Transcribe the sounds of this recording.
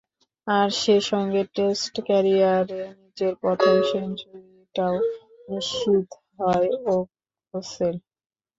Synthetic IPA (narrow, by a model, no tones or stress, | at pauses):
aɾʃeʃɔŋɡeʈesʈkɛɾiaɾenid͡ʑeɾpɔt̪ʰomʃend͡ʑoliʈao | niʃit̪ | ɦɔeo | osel